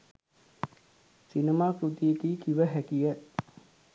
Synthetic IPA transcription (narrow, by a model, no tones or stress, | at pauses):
sinemaːkɾut̪iet̪iːkiʋəɦækijə